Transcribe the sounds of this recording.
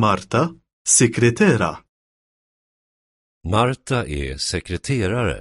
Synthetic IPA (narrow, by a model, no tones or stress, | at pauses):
maɾt̪a | sɛkɾɛt̪ɛːɾɐ̰ | maɾt̪ʰaʔɛsɛkɾɛt̪ʰeːɾaɾə̰